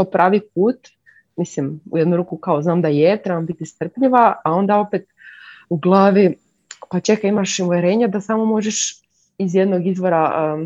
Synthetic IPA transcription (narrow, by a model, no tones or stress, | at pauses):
pɾaːʋip̚uːt̪ | mislimṵjed̪nuɾuːkukaoznaːmd̪ajet̪ɾebambit̪ist̪r̩pʎiʋaao̞nd̪ao̞pet̪uɡlˠaːʋi | pat͡ʃe̞kaimaʃuʋeɾe̞ːɲad̪asaːmo̞mo̞ʒeʃ | izjed̪no̞ɡizʋo̞ɾa